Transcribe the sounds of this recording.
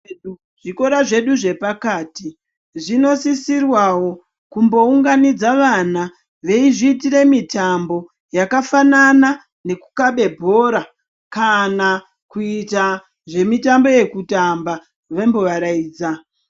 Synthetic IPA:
ʐ̥iko̞ɾaʐe̞ɗuʐe̞pakaːti | ʐino̞sisirwawo̞ | kumbo̞uŋɡanid͡zaʋana | ʋe̞iʐiːtiɾe̞mitambo̞ | jakafanana | ne̞ku̥kaɓe̞bʱo̞ɾa | kana | kuita | ʐe̞mitambo̞je̞kutamba | ʋemboʋaɾaiːd͡za

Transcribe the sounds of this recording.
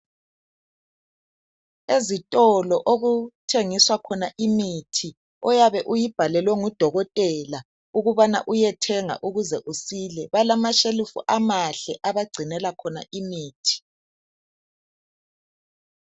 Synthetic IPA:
ezitʼɔlɔʔoɣutʰeŋiswakʰɔnaʔimitʰi | ɔjaβɛʔujib̥ʱalɛlwɛŋud̥ʱɔɣɔtʼɛla | uɣuβana̰ʔujɛtʰɛŋa̰ʔuɣuzɛʔusilɛβalamaʃelifṵʔamaɬɛʔaβaɡ͡ǀʱinɛlakʰɔna̰ʔimiːtʰi̥

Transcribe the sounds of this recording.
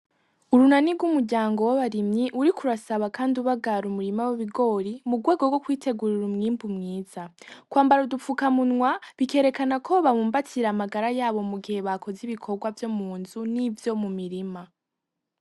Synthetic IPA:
uɾunaniɡwumuɾɟaːŋɡo̞waβaɾimɲiʔuɾikʰuɾasaβakaːndiuβaɡaɾumuɾimaweβiɡo̞ːɾimuɡwe̞ːɡoɡwo̞kwiːte̞ɡuɾiɾumŋiːmbumŋiːz̥akwaːmbaɾudufukamunŋwaβike̞ɾe̞kanakʰo̞βaβuːmbatʰiɾaːmaɡaɾajaːβo̞muɡihe̞βakʰo̞ziβikʰo̞ɾɡwavjo̞muːnzunivjo̞mumiɾima

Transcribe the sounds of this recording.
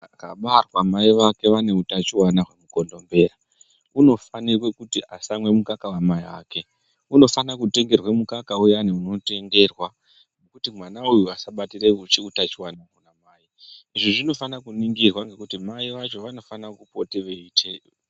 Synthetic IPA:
kaɓarwamaiʋake̞ʋane̞utat͡ʃiwanaɦwe̞muko̞ndo̞mbe̞ːɾa | uno̞fanirwe̞kutiasamwe̞mukakawamaiwa̰ːke̞ | uno̞fanakute̞ŋɡe̞rwe̞mukakaujaniuno̞te̞ŋɡe̞rwa | nekutimwanaujuasaɓatireut͡ʃiutat͡ʃiwanakunamaːiiʐiʐino̞fanakuniŋɡirwaŋɡe̞kutimaiʋat͡ʃo̞ʋano̞fanakupo̞teʋeiːtʰe

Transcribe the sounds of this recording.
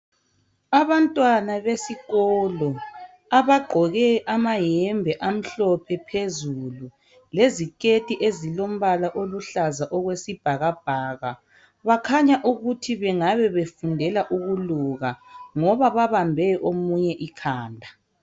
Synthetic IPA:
aβantʼwanaβesiɣɔːlɔ | aβaɡ͡ǃʱɔɣɛʔamajɛmbʱɛʔam̩ɬɔpʰɛpʰezulu | lezikʼetʼiʔezilom̩βalaʔoluɬazaʔɔɣwesib̥ʱaɣab̥̚ʱaːɣa | βakʰaɲaʔuɣutʰiβɛŋaβɛβefundʱɛlaʔuɣuluɣaŋɔβaβaβambʱɛʔomuɲɛʔikʰaːndʱa

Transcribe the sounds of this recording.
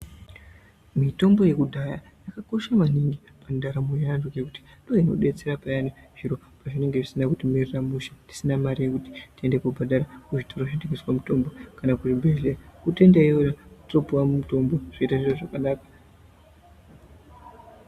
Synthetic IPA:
mito̞mbo̞je̞kudʱaja | jakako̞ʃamaniŋɡi | pandaɾamujaandokekuti̥ | ndoino̞̰ɗe̞t͡se̞ɾapajaniʐ̥iɾo̞ | paʐine̞ŋɡe̞ʐisinakutimiriramuʃḁti̥sinamaɾije̞kuti̥tie̞ndekubʱadaɾakuʐitʰoroʐindikiswamuto̞mbo̞kanakuʐibʱe̞ɮerakute̞ndaijojatopuwamumuto̞mbo̞ʐ̥oitaʐiʐo̞ʐakanaːkḁ

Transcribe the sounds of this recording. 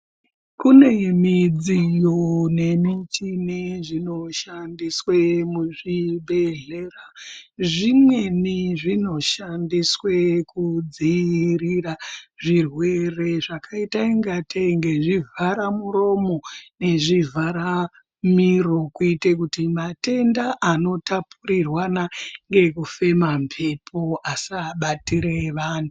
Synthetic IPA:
kune̞mid͡zijone̞mit͡ʃineʐino̞ʃandiswemuʐibʱe̞ɮeraʐimwe̞niʐino̞ʃandiswekud͡ziriraʐirwe̞re̞ʐakaitaiŋɡateiŋɡe̞ʐivʱaɾamuɾo̞mo̞ne̞ʐivʱaɾa | miro̞kuitekutimate̞ndaʔano̞tapuɾirwanaŋɡe̞kufe̞mampʰe̞pʰoasaɓatiɾeʋaːntu

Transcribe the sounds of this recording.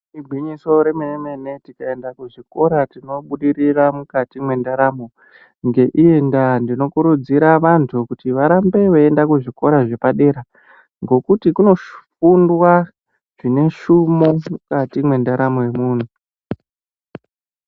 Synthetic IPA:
ibʱwiɲiso̞ɾe̞meemene̞tikae̞ndakuʐiko̞ɾatino̞ɓuɗiɾiramukatimwe̞ndaɾamo | ŋɡe̞ʔie̞ndandino̞kuɾud͡ziɾaʋantʰukutiʋaɾambe̞ʋeendakuʐiko̞ɾaʐe̞paɗe̞ɾa | ŋɡo̞kutikuno̞ʃfundwa | ʐ̥ine̞ʃumo̞mukatimwe̞ndaɾamoje̞muːn̤u

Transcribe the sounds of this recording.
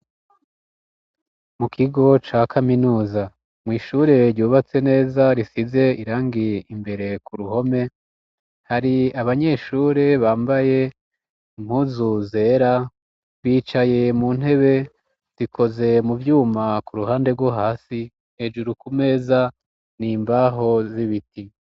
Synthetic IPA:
mukʰiɡo̞t͡ʃakʰaminuːza | mŋiːʃuɾe̞ɾjuːβat͡se̞ne̞ːzaɾisize̞iɾaːŋɡiimbe̞ɾe̞kuɾuho̞me̞ | haɾiaβaɲe̞ːʃuːɾe̞βaːmbaje̞ | im̥huːzuze̞ːɾa | βiːt͡ʃaje̞muːn̥he̞βe̞ | z̥ikʰo̞ze̞muvjuːmakuɾuhaːnde̞ɡwoɦaːsi | nhe̞d͡ʒuɾukume̞ːza | niːmbaɦo̞ziβiti

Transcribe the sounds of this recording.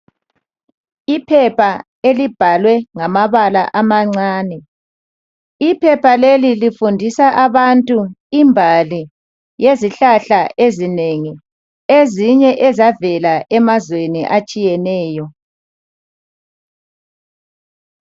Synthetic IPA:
ipʰɛpʰa | elib̥ʱalwɛŋamaβala̰ʔamaŋ͡ǀaːnɛ | ipʰɛpʰalelilifundʱisaʔaβantʼuimbʱali | jeziɬaɬaʔezineŋi | eziɲɛʔɛzavɛlaʔɛmazweniʔat͡ʃʼijɛnɛːjɔ

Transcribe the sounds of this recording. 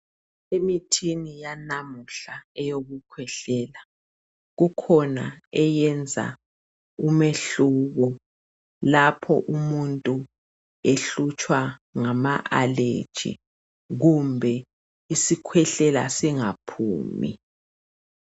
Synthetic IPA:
emitʰinijanamuɬaɛjoɣukʰwɛɬɛːla | ɣukʰɔnaɛjɛnd͡zʱa̰ | umeɬuɣɔ | lapʰɔ̰ʔumuntʼu | eɬut͡ʃʼwaŋamaʔalḛd̥ʒ̥ʱḭ | ɣumbʱɛ | isikʰwɛɬɛla̰siŋapʰṵːmḭ

